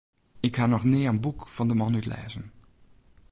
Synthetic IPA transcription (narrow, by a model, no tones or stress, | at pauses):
ɪkhaːnɔxnɪːənbukfɑndəmɑnytlɛ̰ːzən